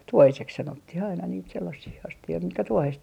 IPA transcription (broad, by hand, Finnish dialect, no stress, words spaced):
tuohisek sɑnotːih ɑinɑ niːt selːɑsiː ɑstioi mitkæ tuohes